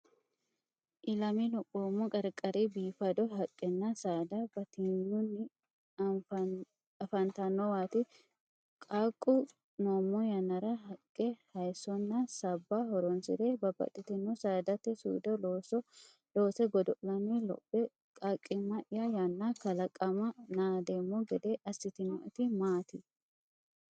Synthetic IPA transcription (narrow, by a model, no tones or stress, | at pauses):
ʔɪlɐminʊkʼoːmːɔkʼɐɾkʼːɐɾibiːfɐd̪ɔɦɐkʼːɛnːɐsaːd̪ɐbɐt̪ɪɲːʊnːɪ | ɐfɐnt̪ɐnːɔwaːt̪ɪ | kʼaːkʼːʊ | noːmːɔjɐnɐɾɐhɐkʼːɛhɐjsɔnːɐsɐbːahɔɾɔnsɪɾebɐbɐ̰t̪ʼɪt̪ɪnːɔsaːd̪ɐt̪ːɛsṵːd̪ɔloːsɔ | lo̞ːsɛɡɔd̪ɔʔlɐnilɔ̰bːɛ | kʼakʼːɪmɐʔɪjɐjɐnːakɐlɐkʼːɐmɐnaːd̪eːmːɔɡɛd̪eʔɐsːɪt̪ɪnɔʔɪt̪ɪmaːt̪ɪ